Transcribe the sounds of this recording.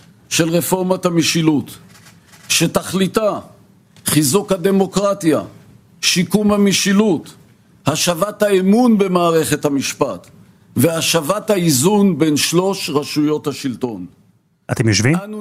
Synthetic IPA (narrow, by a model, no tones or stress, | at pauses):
ʃe̞lʁefo̞ʁmat̪amiʃilut | ʃetaχlita | χizukhad̪e̞mo̞kʁat̪ja̰ | ʃikumhamiʃilut̪ | haʃavathaemunbe̞maːʁe̞χethamiʃpat̪ | ve̞haʃavathaizunbenʃlo̞ʃʁaʃujo̞thaʃilt̪o̞n | at̪emjoʃvian